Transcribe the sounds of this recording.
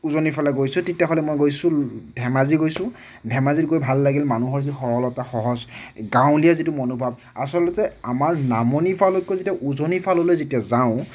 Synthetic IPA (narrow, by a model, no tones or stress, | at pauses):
uzonipʰalɛɡojsʊ̃tetijaɦɔlɛmojɡojsʊ̃dʱɛmaziɡojsʊ̃ | dʱɛmazitɡojbʱalːaɡilmanuɦɔɹzixɔɹɔlɔtaxɔɦɔzɡãw̃lijazitʊmɔnubʱab̚ | a̰sɔlɔtɛamaɹnamɔnipʰalɔkːozetijaʔuzonipʰalɔlojzetijazaʊ̃